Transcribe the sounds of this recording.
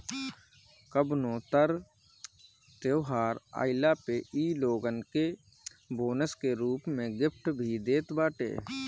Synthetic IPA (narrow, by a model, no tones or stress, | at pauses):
kəbnõːt̪əɾ | t̪eːɦaːɾa̰ːɪlapeiːloːɡənke | boːnəskeɾuːpmẽɡɪpʰʈbʱid̪eːt̪baːʈḛː